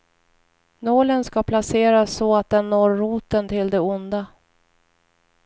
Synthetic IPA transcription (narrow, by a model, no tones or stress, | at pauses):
noːlənskapʰlaseːɾasːɔat̪̚d̪ɛnːoːɾːuːt̪ənt̪ʰɪld̪ɛʊnd̪a